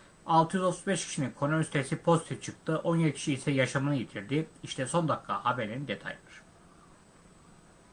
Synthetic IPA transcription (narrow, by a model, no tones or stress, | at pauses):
alˠt̪ʰɯjyzo̞t̪ʰuzbɛʃcʰi̥ʃininkʰo̞nuysʲt̪ʰesipʰo̞zit̪ʰift͡ʃʰɯk̚t̪ʰɯʔo̞njecʰi̥ʃiːsɛjaʃamɯnɯjit̪ʰiɾd̪iiʃt̪ʰɛso̞nd̪akʰːa̰ːhabeɾinid̪et̪ʰa̰jd̪ɯɾ̥